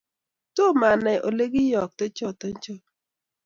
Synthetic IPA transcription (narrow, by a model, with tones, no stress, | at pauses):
to˦˨ma˨nɛ˨ʔo̰˨le˦ɡɪ˦jɔ˨k̚te˦t͡ʃɔ˦˨tɔ˦ɲ˦t͡ʃɔ˦˨